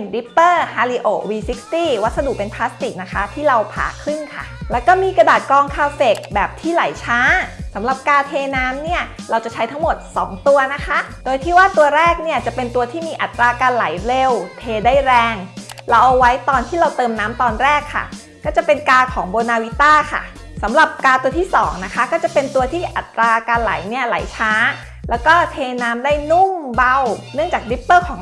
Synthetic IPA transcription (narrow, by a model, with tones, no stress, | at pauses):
nɾi˦˥pːɤː˥˩haː˧li˧ʔoː˨˩wiː˧si˦˥kst̪iː˥˩wa˦˥t̪̚sa˧du˨˩k̚pe˧npʰlaː˦˥st̪i˨˩k̚na˦˥kʰa˦˥t̪ʰiː˥˩ɾa˧wpʰa̰ː˨˩kʰɾɯ˥˩nkʰa̰˥˩lɛː˦˥wkɔː˥˩miː˧kɾa˧daː˨˩t̪̚kɔː˧ŋkʰaː˧fe˨˩k̚bɛː˨˩p̚t̪ʰiː˥˩la˩˦jt͡ɕʰaː˦˥sa˩˦mɾa˨˩p̚kaː˧t̪ʰeː˧naː˦˥mni˥˩ɐɾa˧wt͡ɕa˨˩t͡ɕʰa˦˥jt̪ʰa˦˥ŋmo˨˩t̪̚sɔː˩˦ŋt̪u˧ɐna˦˥kʰa˦˥doː˧jt̪ʰiː˥˩waː˥˩t̪u˧ɐɾɛː˥˩k̚ni˥˩ɐt͡ɕa˨˩pe˧nt̪u˧ɐt̪ʰiː˥˩miː˧ʔa˨˩t̪ːɾaː˧kaː˧nla˩˦jle˧wt̪ʰeː˧da˥˩jɾɛː˧ŋla˧wʔa˧wa˦˥jt̪ɔː˧nt̪ʰiː˥˩ɾa˧wt̪ɤː˧mnaː˦˥mt̪ɔː˧nɾɛː˥˩kʰːa̰˥˩ | kɔː˥˩t͡ɕa˨˩pe˧nkaː˧kʰɔː˩˦ŋboː˧naː˧wi˦˥t̪aː˥˩kʰa̰˥˩ | sa˩˦mɾa˨˩p̚kaː˧t̪u˧ɐt̪ʰiː˥˩sɔ̰ː˩˦ŋna˦˥kʰa˦˥kɔː˥˩t͡ɕa˨˩pe˧nt̪u˧ɐt̪ʰiː˥˩ʔa˨˩t̪ːɾaː˧kaː˧nla˨˩˦jni˥˩ɐla̰˨˩˦jt͡ɕʰaː˦˥ | lɛː˦˥wkɔː˥˩t̪ʰeː˧naː˦˥mdaː˥˩jnu˥˩ŋba˧wnɯ˥˩əŋt͡ɕaː˨˩k̚di˦˥pːɤː˥˩kʰɔː˩˦ŋ